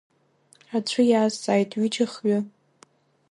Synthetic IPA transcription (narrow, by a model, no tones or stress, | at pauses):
at͡ɕʷʰɨjaːzt͡sʼaːjtʼɥid͡ʒaχɥʊ